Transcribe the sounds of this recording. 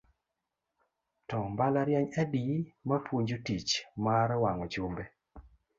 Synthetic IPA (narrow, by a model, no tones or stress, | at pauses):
tɔmbalaɾjɛɲɛdimapwuɲd͡ʒotit͡ʃmaɾwaŋɔt͡ʃumbɛ